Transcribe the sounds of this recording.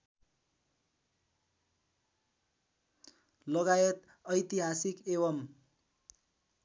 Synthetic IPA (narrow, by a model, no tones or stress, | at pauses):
lʌɣajʌt̪ | ʌjt̪iɦasikeβʌm